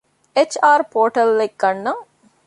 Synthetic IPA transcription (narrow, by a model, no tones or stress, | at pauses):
et͡ʃaːɾpoːʈɐlːeɡɡɐnːɐŋ